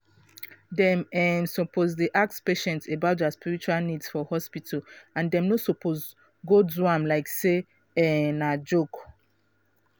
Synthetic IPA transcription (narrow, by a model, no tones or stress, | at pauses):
dɛ̃mɛmsɔpʰozdeʔak̚tspeʃɛ̃ntebaʊtdaspiɹit͡ʃualnidsfɔhɔspitʰalãndɛ̃mnosɔpʰoz | ɡodzuãmlaɪkse | ɛnad͡ʒok